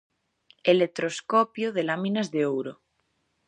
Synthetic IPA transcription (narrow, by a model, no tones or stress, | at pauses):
elet̪ɾoskopjoðelamĩnazðeowɾo